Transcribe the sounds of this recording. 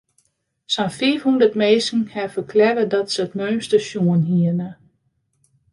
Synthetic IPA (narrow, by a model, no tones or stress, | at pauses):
sanfiəfhundərtmeːsŋ̩hɛfəkʰlɛɾədɔtsəətmøɥmstəʃjuənɦiənə